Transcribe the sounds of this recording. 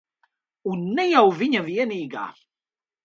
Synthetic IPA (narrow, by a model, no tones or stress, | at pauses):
ʊnːæjæwviɲævjæniɡa̰θ